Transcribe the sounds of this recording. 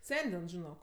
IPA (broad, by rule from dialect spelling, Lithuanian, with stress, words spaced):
ˈsʲɛnʲdʲɪn ʒʲɪˈnoːk